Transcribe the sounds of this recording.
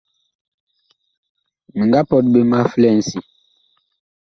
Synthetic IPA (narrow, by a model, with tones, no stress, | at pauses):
mi˨ŋɡa˦pɔ˨t̚be˨ma˦flɛ˦˨n˨si˨